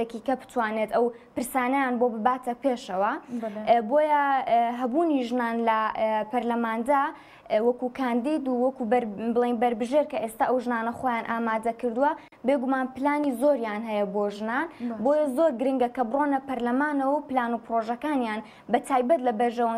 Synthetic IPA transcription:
ekikɐbɨ̥t̪waːnet̪ɐw | pɨɾsaːnɐjaːnbobɨbaːt̪ɐpeːʃɐwɐ | boːjɛɦɐbuːniʒnaːnlɐpɐɾlɐmaːnd̪a | wɐkukʰaːnd̪iːd̪uwɐkubbɨlˠejnbɐɾbɨʒeːɾkɐʔeːst̪aːʔɐwʒɨnaːnɐχoːjaːnʔaːmaːd̪ɐkɨɾd̪uwɐ | beɡumaːnpɨlaːnizoɾjaːnɦɛjɐboːʒnaːnboːjɐzoːɾɡɨɾɨŋɡɐkɐbɨronɐpɐɾlɐmaːnɐwɐwpɨlaːnupɨɾoːʒɐkaːnjaːn | bɐt̪ʰaːjbɐt̪lɐbɐɾʒɐwɐ

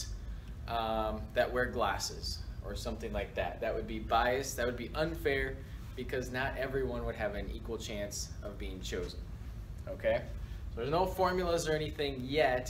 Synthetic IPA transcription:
ʔʌ̃ðɨʔ̚wɛɹɡlæsɪz̥ʔə˞sʌ̃mθɪ̃ŋlaɪk̚ðæ̰t̪̚ðɨʔ̚wɨd̚bibaɪɨsðɨt̚wɨd̚biʔʌ̃nfɛɹb̥ɨkʰʌznəɾɛvɹiwʌ̃nwəɾ̚ɨvɨ̃nḭkwl̩ˠt͡ʃʰæ̃ns | ʌvbiɪ̃ŋt͡ʃʰoʊzə̃n | oʊkʰeɪsoʊðə˞znoʊfɔɹmjl̩ˠəzə˞ɛniθɪ̃ŋjɛt

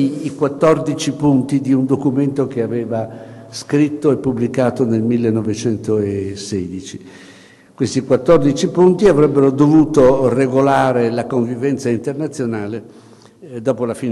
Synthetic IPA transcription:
kwat̪ːɔrd̪it͡ʃipunt̪id̪iund̪okument̪ok̟eavɛːvaskɾit̪ːoepːubːlikaːt̪onelmilːenːɔvet͡ʃɛnt̪oesɛːd̪it͡ʃi | kwest̪ikwat̪ːɔrd̪it͡ʃipunt̪iavɾɛbːeɾod̪ovuːt̪oreɡolaːɾelakoɱvivɛnt̪saint̪ernat̪sːjonaːle | d̪ɔːpolafiːn

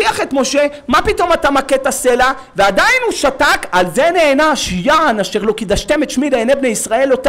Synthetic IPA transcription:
iaχe̞t̪mo̞ʃe̞ | mapito̞matamaketase̞la | veadainhuʃatakalzeneːnaʃijanaʃeʁlo̞kid̪aʃt̪e̞met̪ʃmileenebne̞jisʁae̞lot̪

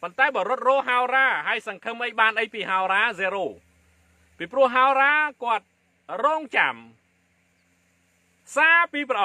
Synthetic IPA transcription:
pont̪aɛɓɑːɾʊ̆ət̪̚rɔːɦaɔraːɦaəjsɑŋkʰɨmʔəjɓaːnʔəjpiːɦaoɾaːzeːɾoː | piːprʊ̆əhɦaoɾaːkŏət̪̚ | rɔːŋt͡ɕa̰m | saːpiːprɑʔ

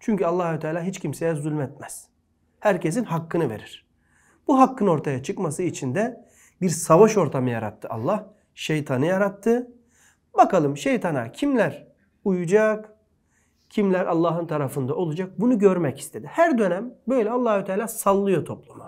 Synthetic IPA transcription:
t͡ʃʰyɲcʰyalˠːaːhut̪ʰaːlʲaːɦit͡ʃcʰimse̞jɛzulʲmɛt̪̚mæz̥ | hæɾce̞sinɦakːɯnɯveɾiɾ̥ | b̥uɦakːɯno̞ɾt̪ʰajat͡ʃʰɯkmasɯit͡ʃʰind̪ɛ | biɾsavaʃo̞ɾt̪ʰamɯja̰ɾa̰t̪ʰːɯa̰lˠːah | ʃejt̪ʰanɯjaɾat̪ʰːɯ | bakalˠɯmʃe̞jt̪ʰana̰cʰimlʲæɾ | ujud͡ʒak | cʰimlʲæɾʔalˠːaːɦɯnt̪ʰaɾafɯnd̪ao̞lˠud͡ʒak̚bunuɟø̞ɾmɛci̥st̪ʰe̞d̪ihæɾd̪ø̞næmbø̞jlʲɛalˠːaːhut̪ʰaːlʲaːsalˠːɯjot̪ʰoplˠuma̰

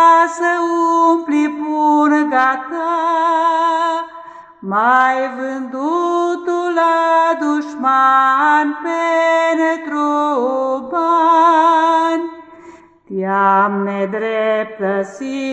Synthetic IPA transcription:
səumplipunəɡak̪a | majvɨnd̪ut̪ulad̪uʃmanpenet̪ɾo | ma | n | t̪jamned̪ɾep̚t̪əsi

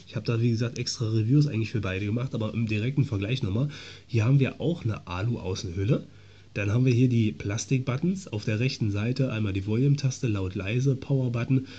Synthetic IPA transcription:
ɪçhaːbəd̥aːviːɡəzaːk̚tʔɛkstʁ̥aʁevjuːs̬aɪɡŋ̩tɪfyːɐbaɪɾəɡəmaχtʔaːbɐʔɪ̰mdiʁɛk̚tn̩fɛɐɡlaɪçnɔχmaːlhiːɐhaːbm̩viːɐʔa̰ʊxnə̰ʔa̰ːluʔa̰ʊsn̩hʏlə | d̥anhaːbm̩viːɐɦiːɐdiːpʰl̥astɪk̚b̥atn̩sa̰ʊfd̥eːɐʁɛçtn̩zaɪtəʔa̰ɪnmaːldiːvɔljumtʰastəlaʊtla̰ɪzəpʰaʊɐbatn̩

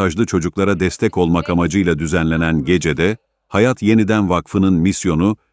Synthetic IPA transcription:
aʒlˠɯt͡ʃʰo̞d͡ʒuklˠaɾad̪ɛst̪ʰɛco̞lˠmakamad͡ʒɯjlˠad̪yzænlʲe̞nænɟe̞d͡ʒe̞d̪ɛ | hajat̪je̞nid̪ænvakfɯnɯnmisjo̞nu

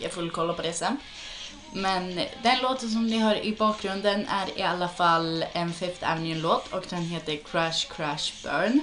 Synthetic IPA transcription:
æfɔɪlkʰɔlːəpɔd̪ɛsən | mɛnd̪ɛnloːt̪əns̬ɔmdɪɦɑɾɪ̰bɑːk̚ɡɾʉnd̪ənʔæ̰ɾɪ̰ɑlːəfɑlɛnfɪft̪ʰæ̰ɾmɪənloːt̪ʰɔɡd̪ɛnɦeːt̪əɾkʰɾæʂkʰɾæʃb̥œɹn

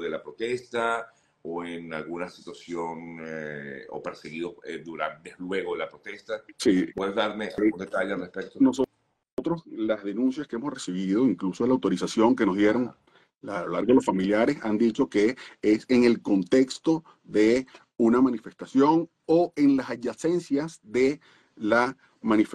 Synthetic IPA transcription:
ðelapɾot̪est̪a | oeŋalɣunasit̪wasjoneo̰peɾseɣiðosed̪uɾa̰nd̪elwe̞ɣoðelapɾot̪est̪asipweðezðaɾmea̰ɣund̪et̪aʎesalrespek̚t̪onoso | sot̪ɾo̞slazðe̞nũns̬jaskeemo̞sre̞siβ̞ið̞o̞iŋkluso̞ðelawt̪o̞ɾisasjo̞ŋke̞no̞zðje̞ɾo̞ŋ | alolaɾɣðelosfamiljaɾe̞sand̪it͡ʃo̞keeseŋe̞lko̞nt̪e̞kst̪o̞ | ðe̞ | unamãnife̞st̪asjo̞ŋ | oeŋlasaʝase̞nsjasðe̞ | la | mãnif

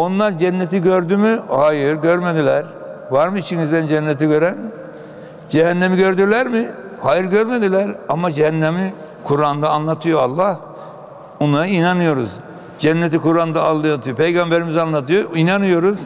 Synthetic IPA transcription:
o̞nlˠaɾd͡ʒɛnːet̪iɟøɾd̪ymyhaːjiɾɟøɾmed̪ilʲæɾ | vaɾmɯit͡ʃʰiŋizd̪ænd͡ʒænːɛt̪iɟø̞ɾæn | d͡ʒɛɦænːemiɟø̞ɾd̪yɾlʲæɾmɪ | haːjiɾɟøɾme̞d̪ilʲæɾamad͡ʒɛhænːemi | kʰuɾand̪aːnlˠat̪ʰɯjo̞alˠːah | onlˠaɾɯinanɯjo̞ɾṵz | d͡ʒɛnːet̪̬ikuɾand̪aːlˠːɯjat̪ʰɯjopʰe̞jɡambe̞ɾimizanlːˠat̪ʰɯjoinanɯjo̞ɾuz̥

